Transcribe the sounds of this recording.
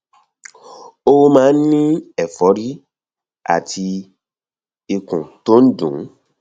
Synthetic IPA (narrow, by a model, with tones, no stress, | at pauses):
o˦wmãː˦n̩˦nĩ˦ɛ˨fɔ˨˦ɾi˦ | a̰˨tʰi˧ | i˧kũ˨to˦n̩˦dṵ̃˨˦